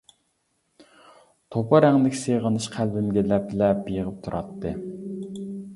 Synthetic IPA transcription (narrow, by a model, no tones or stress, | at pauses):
t̪ʰopʰɑɾɛŋd̪ɪkʲseʁənɨʃqʰælbɪmɡʲɛlɛplɛpbijəʁəp̚t̪ʰuɾʔɑ̰t̪ːɨ